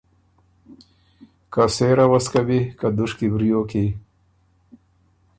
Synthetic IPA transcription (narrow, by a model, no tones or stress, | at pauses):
kaseːɾawɐskabikad̪uʂkibɾijoːki